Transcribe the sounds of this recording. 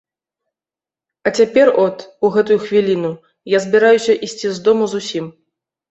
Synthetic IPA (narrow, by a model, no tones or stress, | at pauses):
ɐt͡sʲapʲɛrɔt̪uɣɛt̪ujuxvʲilʲinu | jazʲbʲiɾajusʲɐʔisʲt͡sʲizd̪ɔmuzusʲim